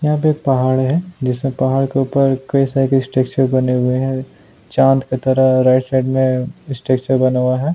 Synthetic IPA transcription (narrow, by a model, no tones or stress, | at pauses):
jɐɦaːpeeːk̚pɐɦaːɭɦɛ̃d͡ʒɪsmẽpɐɦaːɭkeuːpəɾkɐisaːiksʈeːkt͡ʃəɾbɐneɦʊeɦɛ̃ | t͡ʃãːnt̪ket̪ɐɾaɾaːɪʈsaːɪɖmẽɪsʈeːkt͡ʃəɾbɐnawaɦɛː